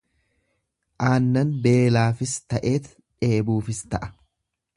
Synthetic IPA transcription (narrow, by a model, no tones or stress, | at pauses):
ʔaːnːɐnbe̞ːlaːfɪst̪ɐʔe̞ːt̪ | ᶑe̞ːbuːfɪst̪ɐʔɐ̥